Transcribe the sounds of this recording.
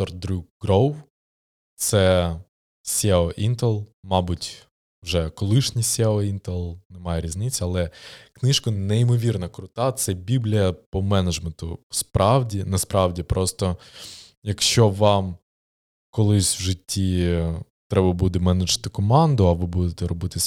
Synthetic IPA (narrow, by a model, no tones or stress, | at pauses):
ɔrd̪ɾʲukɡɾow | t̪sɛ | sʲɛɔʔint̪ɛlˠmɑbʊtʲ | ʋʒɛkɔlˠɪʃnʲisʲɛɔint̪ɛlˠnɛmɑjɛɾʲizʲnɪt͡sʲːɐɐlˠɛknɪʃkɐneimɔʋʲirnɐkɾʊt̪ɑt̪sɛbʲiblʲijɐpɔmɛnɐd͡ʒment̪ʊspɾɑwdʲinɐspɾɑʋdʲipɾɔst̪ɔ | jɐkʃt͡ʃɔʋɑm | kɔlˠɪsʲʋʒɪtʲːi | t̪ɾɛbɐbud̪ɛmɛnɐd͡ʒɐt̪ɪkɔmɑnd̪ʊɐʋɪbud̪et̪ɛɾɔbɪt̪ɪsʲ